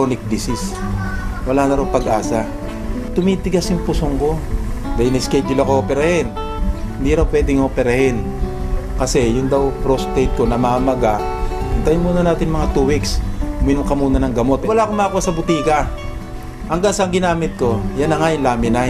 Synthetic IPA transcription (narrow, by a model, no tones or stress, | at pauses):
onɪk̚d̪isɪs | wɐlaːnɐɾoŋpɐɡʔaːsa | t̪ʊmit̪ɪɡasjʊŋpʊsoŋko̞d̪ɐjɪnɐskɛj̚d̪ɪlakoʔopɛɾɐhɛn | hɪnd̪iɾɐwpwɛːd̪ɪŋopɛɾɐhɪn | kɐsɛjʊnd̪ɐwpɾost̪ejt̪̚ko̞nɐmaːmɐɡaɪnt̪ɐjɪnmuːnɐnaːt̪ɪnmɐŋat̪uːwiksʊmɪnʊŋkɐmuːnɐnɐŋɡɐmo̞t̪wɐlakomakuwasɐbʊt̪iːkɐ | hɐŋɡaŋsɐɐŋɡɪnaːmɪt̪̚ko̞janːɐŋaɪnlaːmɪna